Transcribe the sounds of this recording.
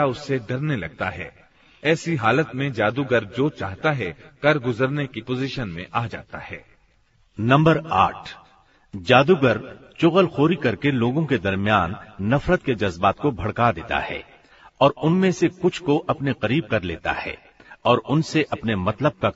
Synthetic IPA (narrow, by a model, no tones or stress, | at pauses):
aʊsːeɖɐɾnelɐɡ̚t̪aɦɛː | ɛːsiɦaːlət̪mẽd͡ʒaːd̪uɡəɾd͡ʒoːt͡ʃaːɦt̪aɦɛkɐɾɡʊzəɾnekipoːziːʃənmḛ̃ʔaːd͡ʒa̰ːt̪ahɛː | nɐ̃mbəɾa̰ːʈʰ | d͡ʒaːd̪uɡəɾt͡ʃʊɣəlxoːɾikɐɾkeloːɡõked̪ɐɾmjaːnːɐfɾət̪̚ked͡ʒɐzbaːt̪kobʱɐɽkad̪ḛːt̪a̰hɛ̰ː | ɔːɾʊnmẽsekʊt͡ʃʰkoʔɐpneqɐɾiːb̚kɐɾleːt̪a̰hɛ̰ː | ɔːɾʊnseʔɐpnemɐt̪ləb̚ka